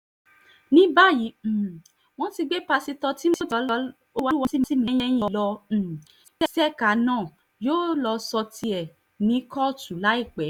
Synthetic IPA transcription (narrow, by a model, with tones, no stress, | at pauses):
nĩ˨˦ba˦˨jĩ˨˦˨ | w̃ɔ̃˦ti˧ɡ͡be˦pa˧si˧tɔ˧ti˦m̃˦i˦tɔ˨˧˦lɔ˧ | o˦wa˧˦wɔ̃˧ti˦mĩ˧˦i˦mĩ˨˧˦j̃ɛ̃˦j̃ĩ˧lɔ̃˧˨ | ɛ˦sɛ˦ka˨˦nãː˦˨ | joː˦lɔ˧sɔ˧ti˧ɛ˨ | nĩ˨˦kɔ˦˨tu˨la˨˦i˦˨k͡pɛ˨˦